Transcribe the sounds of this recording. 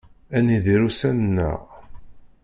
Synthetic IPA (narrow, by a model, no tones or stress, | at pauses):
æniðiɾusænənːə̰ʁ